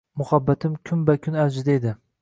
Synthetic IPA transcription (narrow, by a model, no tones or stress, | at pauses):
mʊhabːat̪ʰɪmkʲʰʊmbakʲʰʊnaɾd͡ʒɪd̪aed̪ɪ